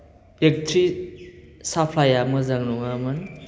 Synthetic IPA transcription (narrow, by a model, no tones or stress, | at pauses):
ek̚tʰɾi | sapʰajamɯzaŋnɔŋamɯn